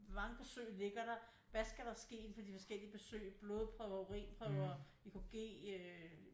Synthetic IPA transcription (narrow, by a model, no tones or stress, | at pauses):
mɑ̈ŋəb̥esø̰ːɪle̝ɡ̥ɐɾ̥ɑ̈ | ʋæsɡ̥æɾ̥ɑsɡ̥e̝̰ːe̝nfɒ̽d̥ifɒ̽sɡ̥el̰iəb̥e̝sø̰ːɪb̥lo̝ːð̞ˠpʰʁœʊɐoʁḭːnpʰʁœʊɐ | ikʰuɡ̥e̝̰ːø